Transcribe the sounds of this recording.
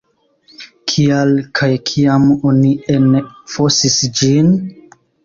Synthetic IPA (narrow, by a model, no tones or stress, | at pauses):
kʰialkʰajkʰiamo̞nienfo̞sisd͡ʒin